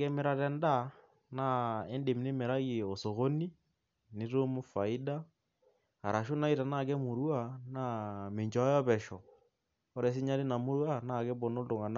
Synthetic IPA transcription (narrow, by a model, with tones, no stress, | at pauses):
kɛ˦me˦ɾa˨tɛ˦nda˦˨ | na˦ɛ˦nde˨m˨ne˦me˨ɾa˦ɣi˨o˨so˨ɣo˦ni˦ | nɪ˦ɾo˦mu˦fa˨i˦da˦ | a˨ɾa˨ʃo˦na˦i˦ɾa˨na˦˨kɛ˦mo˨ɾwa˦˨na˦me˨ɲd͡ʒɔ˨˦jɔ˦pɛ˨ʃɔ˨ | ɔ˦ɾɛ˨s̬i˦ɲa˦le˦na˨mo˦ɾwa˦na˦˨kɛ˦bɔ˨no˦do˨ŋa˨na˦